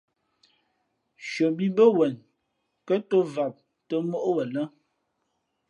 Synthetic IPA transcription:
ʃə˨bi˦bə˦wɛ˨n | kə˦to˦va˨p̚ | tə˦mo˦ʔwə˨lə˦

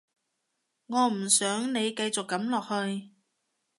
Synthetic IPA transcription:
ŋɔː˨˧m̩˨˩sœː˨˥ŋne˨˧jkɐ˧jt͡sʊ˨kːɐ˨˥mlɔː˨k̚hɵ˧ɥ

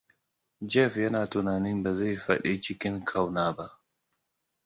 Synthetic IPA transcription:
d͡ʒɛ˦˨fjɐ˦naː˨tʊ˨naː˨ni˦mba˨za˦jɸɐ˦˨ɗi˦t͡ʃɪ˦kʲɪ˦ŋkʰa˨wnaː˦ba˦ʔ

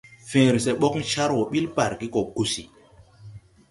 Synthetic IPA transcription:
fẽː˨ɾsɛ˨ɓɔ˦kŋ˦ʃa˦ɾwɔ˨ɓi˦lpa˨ɾki˦kɔ˨ku˨si˨

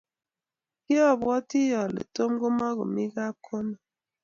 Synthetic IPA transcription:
ki˦ɔ˦˨bɣɔ˦ti˦jɔ˨lḛ˨to˦m˦ɡo˦ma˦ɣo̰˨mi˦ɡa˦kʰo˦ni˨

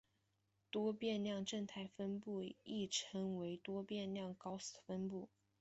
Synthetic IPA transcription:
t̪wɔ˥pjɛ˥˧nljɑ˥˧ŋʈ͡ʂɤ˥˧ŋt̪ʰa˥˩ɪfə˥npu˥˧i˥˩ʈ͡ʂʰɤ˧˥ŋwe˧˥ɪt̪wɔ˥pjɛ˥˧nljɑ˥˩ŋkɑ˥ʊsfə˥npu˥˩

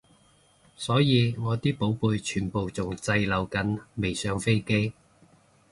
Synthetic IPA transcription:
sɔː˨˥jiː˨˧ŋɔː˨˧t̪iː˥po˨˥wpuː˧jt͡ʃʰyː˨˩npo˨wt͡sʊ˨ŋt͡sɐ˧jlɐ˨˩wkɐ˨˥nme˨˩jsœː˨˧ŋfe˥jke˥j

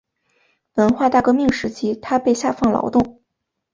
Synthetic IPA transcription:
wə˧˥nxwa˥˧t̪a˥˩kɤ˥˧mi˥˩ŋʂɻ̩˧˥t͡ɕʰi˥t̪ʰa˥pe˥˧ɪɕja˥˧fɑ˥˩ŋlɑ̰˧˥ʊt̪ʊ˥˩ŋ

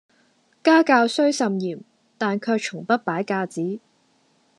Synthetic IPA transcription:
kaː˥kaː˧wsɵ˥ɥsɐ˨˧mjiː˨˩m | t̪aː˨nkʰœː˧k̚t͡ʃʰʊ˨˩ŋpɐ˥t̚paː˨˥jkaː˧t͡siː˨˥

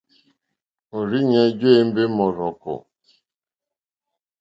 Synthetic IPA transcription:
o˨ɾi˦ɲa˦d͡ʒe˦˨˦m̩˦be˦mɔ˨ɾɔ˨kʊ̰˨

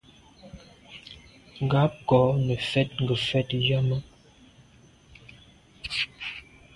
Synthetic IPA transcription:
ŋ˨ɡa˨˦p̚kɔ˨˦nə˨fɛ˦t̚ŋ̩˨ɡə˨fɛ˦tja˦mə˦

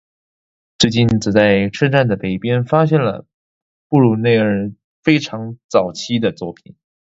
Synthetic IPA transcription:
t͡swe˥˧t͡ɕi˥˩nt͡sɹ̩˨˩t͡sa˥˧ɪʈ͡ʂʰɤ˥˧nʈ͡ʂa˥˩nd̪ə˩pe˨˩ɪpjɛ˥nfa˥ɕ̬jɛ˥˩nlə̰˩ | pu˥˩ɻu˥˩ne˥˧ɪə˥˧ | fe˥ɪʈ͡ʂʰɑ˧˥ŋt͡sɑ˨˩ʊt͡ɕʰi˥d̪ə˨t͡swɔ˥˩pʰi˨˩˦n

